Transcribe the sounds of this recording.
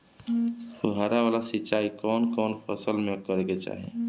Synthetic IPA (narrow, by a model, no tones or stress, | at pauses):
oɦaɾaʋaːlasɪt͡ʃːaːikɔːnkɔːnfɐsəlmẽkəɾɡet͡ʃa̰ːɦḛ̃ː